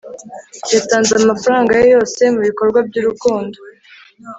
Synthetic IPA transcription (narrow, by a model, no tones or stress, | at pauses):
jataːnzamafaɾaːŋɡajojo̞ːse̞muβiko̞ɾɡwab̚ɟuɾukuːndo